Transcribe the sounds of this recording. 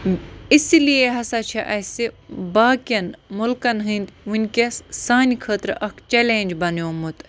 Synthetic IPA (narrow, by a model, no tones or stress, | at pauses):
ɪslijeɦɐsat͡ʃʰɐʔɐsebaːkɐnmʊlkɐnɦɨnd̪ʋunʲkʲessaːnikʰɐːt̪ɾʔɐkʰt͡ʃeleːnʲd͡ʒbɐnjõːmut̪